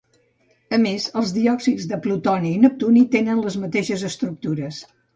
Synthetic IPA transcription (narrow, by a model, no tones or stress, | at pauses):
əmezəlˠzðiɔksizðəplut̪ɔniːnəp̚t̪unit̪enənləzmət̪eʃəzəst̪ɾuk̚t̪uɾəs